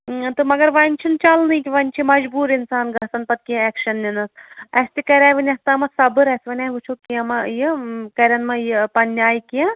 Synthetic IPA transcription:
t̪ɨmɐɡɐɾʋɐnʲt͡ʃʰint͡ʃɐlnɨjk̪ʲiʋɐnʲt͡ʃʰimɐd͡ʒbuːɾinsaːnɡɐsɐnpɐt̪̚kĩɛːkʃɐnːinɐsɐst̪ikɐɾʲaːjʋɐnʲɐst̪ɐmɐsɐbɨɾɐsʋɐnʲaːʋut͡ʃʰokiɐmɐjikɐɾʲɐnmɐjpɐnʲːaːjkiɐ̃

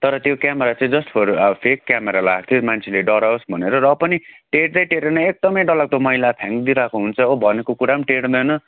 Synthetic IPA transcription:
t̪ʌɾʌt̪jokjameɾat͡sãĩd͡zʌspʰoɾʌpʰekːjameɾalaak̚t̪ʰjomant͡sʰeleɖʌɾaosbʱʌneɾʌrʌpʌniʈeʈd͡zʌjʈeɾenʌek̚d̪ʌmʌjɖʌlak̚t̪omʌilap̪ʰjãŋkd̪iɾakoɦunt͡sʰʌobʱʌnekokuɾamʈeɽd̪ʌjnʌ

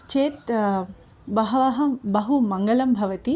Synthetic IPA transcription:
t͡ʃeːt̪ | bɐɦɐʋaɦɐmbɐɦumɐŋɡɐlɐmbʱɐʋɐt̪i

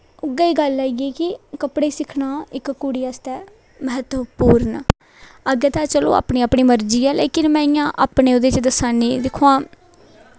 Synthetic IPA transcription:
ʊɡəiːɡəlːaːiɛːkɪkəpɽeːsɪkʰnaːɪkkuɽiːast̪ɛː | məɦət̪əpuːɾn | əɡeːt̪aːt͡ʃəlo̰ːa̰ːpɳiːapɳiːməɾd͡ʒiːɛːleːkɪnmɛ̃ːɪjãːʔaːpneːoːd̪eːt͡ʃd̪əsaːniːd̪ɪkʰoãː

